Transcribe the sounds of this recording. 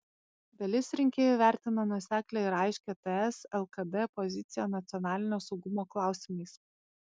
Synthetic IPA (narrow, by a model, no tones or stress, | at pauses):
d̪̥ɐlʲɪsɾʲɪŋʲkʲeːjɛʋʲæˑɾʲt̪ʲɪnɐnuɔsʲæːklʲɛːɪɾɑˑɪʃʲkʲet̪ɛɛsɛlˠkɐd̪ɛpɔzʲɪt̪sʲɪjɛnɐt̪sʲɪɔnɑːlʲɪnʲoːsɒʊɡʊmoːklˠɑˑʊsʲɪmɐɪs